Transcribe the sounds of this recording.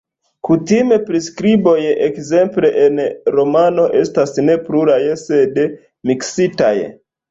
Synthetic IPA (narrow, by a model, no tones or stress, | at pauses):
kutime̞pɾiskɾibo̞jekze̞mple̞ʔenɾo̞mano̞ʔe̞stasne̞pluɾajese̞d | miksita̰j̰